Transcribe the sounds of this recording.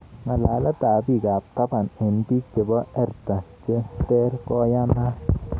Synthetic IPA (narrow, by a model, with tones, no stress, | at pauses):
ŋa˨laː˨˦la˦t̪a˨bi˦˨ɡa˨p̚ka˦ba˨ne˨npi˦t͡ʃe˨bɔ˦ɛ˦ɾt̪a˨t͡ʃe˦t̪e˦ɾkɔ˦ja˦na˦